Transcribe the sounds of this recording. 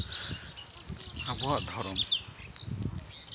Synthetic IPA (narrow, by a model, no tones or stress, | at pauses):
abɔwaʔd̪ʱɔɾɔm